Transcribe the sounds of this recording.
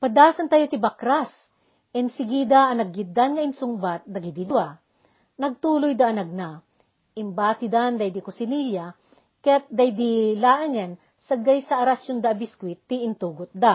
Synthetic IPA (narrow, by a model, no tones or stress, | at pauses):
pɐd̪aːsɐnt̪ajot̪ɪbɐkɾas | ɛnsɪɡid̪aɐnɐɡɪt̪̚d̪anŋɐɪnsʊŋbat̪̚d̪ɐɡid̪id̪ʊwa | nɐɡ̚t̪uːlojd̪aʔːnɐɡ̚na | ʔɪmbaːt̪ɪd̪and̪ajd̪ikʊsɪniʎa | kɐjat̪̚d̪ajd̪ilaːʔɐŋɛn | sɐɡajsɐʔɐɾasond̪aɐbɪskwɪt̪ːiʔɪnt̪uːɡʊt̪̚d̪a